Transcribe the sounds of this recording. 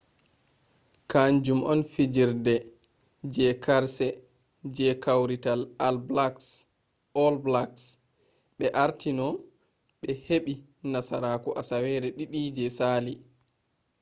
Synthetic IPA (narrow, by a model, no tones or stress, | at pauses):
kand͡ʒumʔɔnfid͡ʒiɾdɛ | d͡ʒɛkaɾsɛ | d͡ʒɛkawɾitalalblaks | ɔlblaks | ɓɛʔaɾtʰinɔ | ɓɛheɓi | nasaɾaːkuʔasawɛɾɛɗiɗid͡ʒɛsaːli